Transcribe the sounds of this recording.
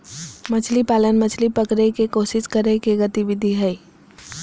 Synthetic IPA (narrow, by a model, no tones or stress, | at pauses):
mɐt͡ʃʰlipaːlənmət͡ʃʰlipəkɾekekoːʃɪskəɾẽkeɡət̪iʋɪd̪ʱiɦɛː